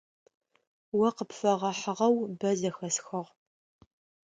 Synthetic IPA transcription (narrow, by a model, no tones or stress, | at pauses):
wɐqəpfɐʁɐħəʁɐwbɐzɐxɐsxɐʁ